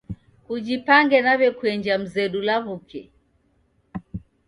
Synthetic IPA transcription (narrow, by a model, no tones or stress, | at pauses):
kud͡ʒipaŋɡɛnaβɛkuɛɲd͡ʒam̩zɛɗulaβukɛ